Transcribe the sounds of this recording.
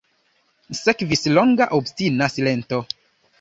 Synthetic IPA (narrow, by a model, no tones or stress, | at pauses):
sekvisloŋɡaʔobstinasilento